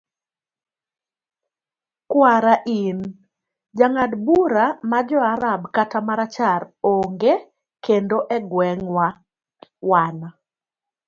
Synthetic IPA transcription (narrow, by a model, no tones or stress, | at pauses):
kwaɾaʔin | d͡ʒaŋadbuɾamad͡ʒɔaɾabkatamaɾat͡ʃaɾoŋɡe | kendoʔɛɡwɛŋwa | wana